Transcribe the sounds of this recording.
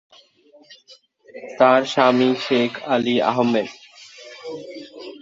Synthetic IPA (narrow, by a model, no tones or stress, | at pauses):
t̪aːɾʃaːmiːʃeːkʰaliːa̰ɦəmːed̪